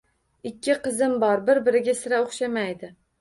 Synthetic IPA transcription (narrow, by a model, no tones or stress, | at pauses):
ɪkʲːɪqɨzɪmbɒɾbɪɾbɪɾɪɡʲasɪɾaoχʃamajd̪ɪ